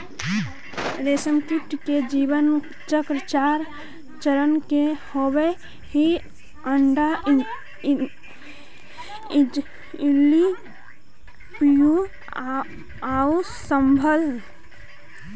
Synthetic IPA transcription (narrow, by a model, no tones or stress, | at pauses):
ɾeːsəmkiʈked͡ʒiːʋən | t͡ʃəkɾət͡ʃaːɾ | t͡ʃəɾənkehowe | hi | əɳɖa | ɪlːi | pju | aːu | səmbʱəl